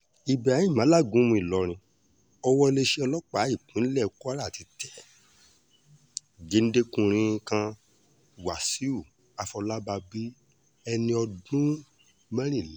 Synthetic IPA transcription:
i˨bɛ˨a˨˦ĩ˦˨mã˨˦la˦˨ɡũ˨˦mũ˧˦i˦˨lɔ˨˦ɾ̃ĩ˧ | ɔ˧wɔ˦˧le˧ʃe˦ɔ˧lɔ˦k͡pa˨˦i˦˨k͡pũ˨˦lɛ˦˨˧ku˦a˦ɾa˦˨ti˨˧tʰɛ˨ | ɡe˦n̩˦de˦kũ˧ɾ̃ĩ˧˦˧kã˧˦ | wa˨si˨˦u˦˨ | a˨˧fɔ˧la˦ba˧bi˦ | ɛ˧nĩ˧ɔ˧dũ˦ | mɛ̃˦ɾ̃ĩ˦˨lɛ˨˦

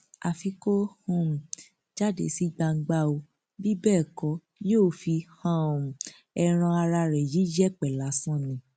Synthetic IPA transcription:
a˨fi˧ko˦hũ˦˨m̩˨ | d͡ʒa˦dḛ˨˦si˦ɡ͡ba˧ŋ̩˦˧ɡ͡ba˦o˧ | bi˦bɛː˦˨kɔ˨˦ | joː˦˨fi˧hã˦˨ | ɛ˧ɾ̃ã˧a˧ɾa˧ɾɛ˨ji˨˦d͡ʒɛ˦˨k͡pɛ˨la˨˦sã˦˨nĩ˧˦

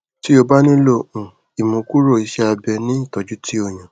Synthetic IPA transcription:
ti˦o˧ba˦nĩ˦lo˦ʔũ˨ | i˨mũ˨˧ku˦ɾo˦˨i˨˧ʃɛ˦a˧bɛ˧nĩ˦i˦˨tɔ˨d͡ʒu˦tʰi˦o˦˨j̃ã˨

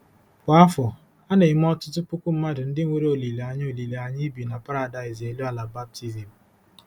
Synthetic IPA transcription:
kʷa˨a˦fɔ˨ | a˦ne˨ɪ˦m˦ɔ˦tʊ˦tʊ˦pʊ˦kʷu˦m̩˦ma˦dɪ˨n̩˦dɪ˦ŋ̩ʷ˦e˦ɾe˦o˨li˨le˨a˨ɲ˦o˨li˨le˨a˨ɲɪ˦bi˨na˨pa˦ɾa˨da˨ɪ˨ze˨lu˦a˨la˨ba˦b̚ti˦zi˨m̩˨

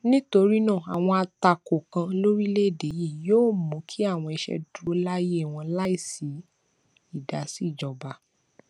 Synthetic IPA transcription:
nĩ˦to˧ɾi˦nãː˦˨a˨w̃ɔ̃˧a˧ta˧ko˨kã˧lo˦ɾi˦le˦˨de˨˦ji˦˨joː˦˨mõ˨˦kʰi˦a˦˨w̃ɔ̃˧i˧ʃɛ̰˧du˨˦la˦je˦˨w̃ɔ̃˧la˦i˦˨si˨˦ | i˦˨da˨˦si˦˨d͡ʒɔ˨ba˧˦

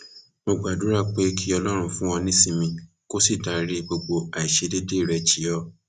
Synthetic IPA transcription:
mo˧ɡ͡ba˨du˨˦ɾa˦˨k͡pe˦kʰi˦ɔ˧lɔ˦ɾ̃ũ˧fũ˦w̃ɔ̃˧nĩ˦sĩ˧mĩ˧ | ko˦si˦˨da˨ɾe˦˧ɡ͡bo˧ɡ͡bo˧a˨i˨ʃe˨˧de˦de˦i˦˨ɾɛ˧t͡ʃi˨˦ɔ˦˨

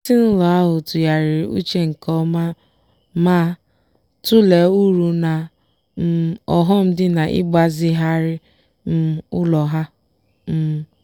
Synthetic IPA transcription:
sɪ˦n̩˦lɔ˨a˦ɦʊ˨tʊ˨ja˨ɾɪ˨ṵ˦t͡ʃe˦ŋ̩˨kɔ˦ma˦ | maː˦ | tʊ˦le˨u˦ɾu˨na˨ | m̩˦ɔ˨ɦɔ˦m̩˦dɪ˦na˨ʔɪ̰˦ɡ͡ba˦zɪ˦ɦa˦ɾɪ˦ | m̩˦ʊ˦lɔ˨ɦa˦ | m̩˦˨

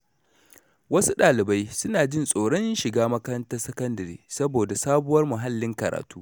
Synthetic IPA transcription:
wɐ˦su˦ɗaː˨lɪ˨ba˦jsʊ˦naː˨d͡ʒɪ˦nsʼoː˨ɽɔ˦nʃɪ˨ɡaː˦mɐ˦kɐ˦ɾɐ˦ntɐ˦rsɐ˦kɐ˦ndɐ˨ɾḭː˨sɐ˦boː˨da˨saː˦bʊ˦wɐ˦rmʊ˨ɦa˦lːɪ˦ŋkɐ˨ɾa̰ː˨tuː˦

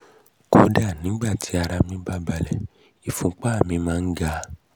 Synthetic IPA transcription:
ko˨˧˦da˦˨nĩ˨˦ɡ͡ba˦˨tʰi˨˦a˧ɾa˧mĩ˧ba˦˨ba˨lɛ˨ | i˨fũ˧˦k͡pa˦˨mĩ˧mãː˦n̩˦ɡa˦˧

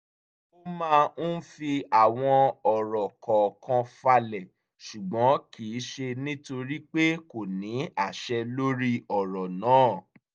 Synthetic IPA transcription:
o˦mãː˦˧ñ̩˦fi˧a˨w̃ɔ̃˧ɔ˨ɾɔ˨kʰɔ˨kʰɔ̃˧fa˧lɛ˨ | ʃu˨ɡ͡bɔ̃˨˦kiː˨˦ʃe˧nĩ˦to˧ɾi˦k͡pe˦ko˨nĩ˨˦a˦˨ʃɛ˧lo˦ɾi˦ɔ˨ɾɔ˨nãː˨˦˨

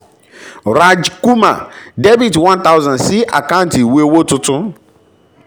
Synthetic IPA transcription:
ɾa˦d͡ʒku˦ma̰˨de˦vi˨dwã˦nta˦ʊ˦zã˨nsi˦ʔa̰˨ka˦ʊ̃˦nti˨we˦wo˦tʊ˦tʊ˦

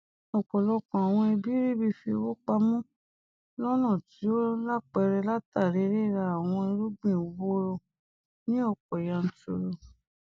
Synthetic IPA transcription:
ɔ˨k͡pɔ˨lɔ˧kɔ̃˨a˨w̃ɔ̃˧i˧bi˦ɾi˦˨bi˧fi˧o˧wo˦k͡pa˧mũ˦ | lɔ˦nã˦˨ti˨˦o˦la˦k͡pɛ˧˦ɾɛ˧la˦ta˦˨ɾe˨˦ɾe˦˨ɾa˧˦a˨w̃ɔ̃˧i˧ɾu˦ɡ͡bĩ˦˨o˨wo˦ɾo˧ | nĩ˦ɔ˦˨k̚ɔ˨jã˨˧n̩˨˦to̰˨ɾo˨

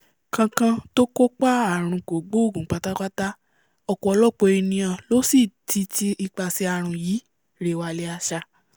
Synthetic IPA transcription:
kã˧kã˧to˦ko˦k͡pa˦a˦˨ɾ̃ũ˧ko˨ɡ͡bo˦o˦˨ɡũ˨˦k͡pa˨˧ta˦k͡pa˦ta˦ | ɔ˧˨kɔ˨˧ɔ˧lɔ˦˨k͡po˧i˧nĩ˧jã˧˨lo˨˦si˦˨ti˧˦ti˧i˧k͡pa˧si˧˦a˧ɾ̃ũ˧ji˨˦ | ɾe˨˧˨wa˧le˧˦a˧ʃa˧

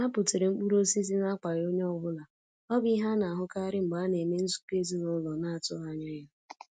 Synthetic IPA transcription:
a˦pʊ˨te˨ɾe˨ŋ͡m̩˦k͡pu˦ɾo˦si˦zi˦na˦k͡pa˨ɾjo˦ɲe˦ɔ˦bʊ˦la˨ | ɔ˦bi˦ɦa˦na˨ɦʊ˦ka˦ɾɪ˦ŋ͡m̩˨ɡ͡ba˨˦ne˨me˦n̩˦zu̥˦ke˦zi˦nʊ˦lɔ˨na˦a˨tʊ˦a˨ɲa˦ja˦

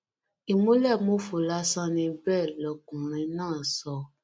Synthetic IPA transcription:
i˨mũ˨˦lɛ˦˨mo˨˦fo˨la˦sã˦nĩ˧bɛː˦˨lɔ˨˧kũ˨ɾ̃ĩ˧nãː˦˨sɔ˧

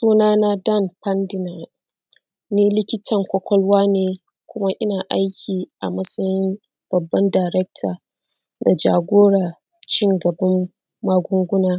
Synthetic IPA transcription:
suː˦naː˦na˦da˦˨npɐ˦ndɪ˨na˨ | niː˦lɪ˦kʲɪ˦tʰɐ˨ŋkʷɔ˦kʷɔ˦lwaː˦neː˨ | kʷʊ˦ma˦ʔɪ˦naː˨ʔa˦jkʲʰiː˨ʔa̰˨mɐ˦sɐ˦jɪ˦m | b̥ɐ˨bːɐ˦ndaː˨ɾɛ˦k̚tʰaː˨ | da˨d͡ʒa̰ː˨ɡʷoː˦ɽa˨ | t͡ʃɪ˦ŋɡɐ˨bɐ˦mː | aː˦ɡʷʊ˦ŋɡʷʊ˦naː˦

